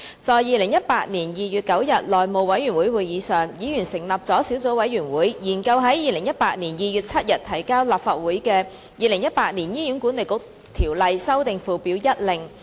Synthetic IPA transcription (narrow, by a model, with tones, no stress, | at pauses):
t͡sɔː˨˧jiː˨˧lɪ˨˩ŋjɐ˥t̚paː˧t̚niː˨˩njiː˨˧jyː˨t̚kɐ˨˥wjɐ˨t̚lɔː˨jmo˨˧wwɐ˨˥jɥyː˨˩nwuː˨˥jwu˨˥jiː˨˧sœː˨ŋjiː˨˥jy˨˩nsɪ˨˩ŋlɐ˨˩p̚t͡sɔː˨˥siː˨˥wt͡so˨˥wɐ˨˥jy˨˩nwuː˨˥jjiː˨˩nkɐ˧wɦɐ˨˥jjiː˨lɪ˨˩ŋjɐ˥t̚paː˧t̚niː˨˩njiː˨˧jy˨t̚t͡sʰɐ˥t̚jɐ˨˩t̚t̪ʰɐ˨˩jkaː˥wlaː˨˩p̚faː˧t̚wuː˨˥jkɛː˧ | jiː˨˧lɪ˨˩ŋjɐ˥t̚paː˧˥t̚ni˨˩njiː˥jyː˨˥nku˨˥ne˨jkʊ˨˥˩k̚ | t̪ʰiː˨˩wlɐ˨˧jsɐ˥wt̪ɪ˨ŋfuː˨˩pi˨˥wjɐ˥t̚lɪ˨ŋ